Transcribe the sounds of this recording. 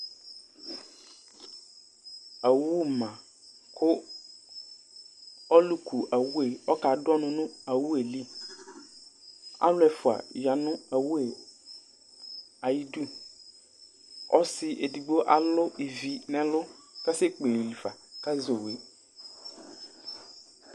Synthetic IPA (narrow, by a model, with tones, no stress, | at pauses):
a˨wu˦mã˨ | kʰʊ˦ | ɔ˦lu˦kʰu˨ʔa˨wu˦e˨ɔ˦ka˨dɔ˦nʊ̃˦nʊ̃˦a˨wu˦e˨li˦ | a̰˦lʊ˦ɛ˨fʊ˨a̰˨ja˨nʊ̃˦a˨wu˦e˨ | a˨ji˦du˦ | ɔ̰˦sɪ˦ʔe˨di˨ɡ͡bo˦ʔa̰˨lʊ˦ʔi˨vi˨nɛ̃˦lʊ˦ka˦sɛ˦k͡pe˨li˨fa˨ka˦zo˨we˦